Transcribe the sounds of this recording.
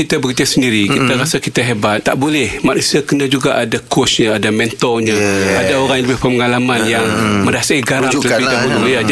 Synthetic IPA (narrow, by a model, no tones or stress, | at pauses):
it̪abəkitasəndiɾikit̪aɾasakit̪aɦebat̪ːaʔbolɛhmaʔnusiakənad͡ʒuɡaʔadakʊsɲaadamɛnt̪ɔɲãadaoɾaŋjləbɪhpəməŋalamanjaŋmə̃ɾasaiɡaɾaələpidaɦululiad͡ʒ